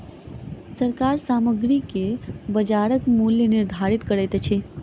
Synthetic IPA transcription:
səɾkaɾsaːməɡɾikebəd͡ʒaːɾəkmuljənɪɾd̪ʱaɾit̪kəɾet̪et͡ʃʰe

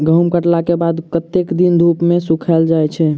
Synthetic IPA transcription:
ɡʱəmkəʈlakebad̪kət̪ekd̪ind̪ʱupmesukʰəld͡ʒajt͡ʃʰɛ

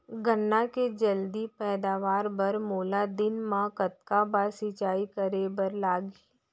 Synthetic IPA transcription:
ɡʱənːaked͡ʒəld̪ipɛːd̪aːʋaːɾbəɾmoːlad̪ɪnmãkət̪̚kabasɪt͡ʃaːikəɾebəɾlaːɡi

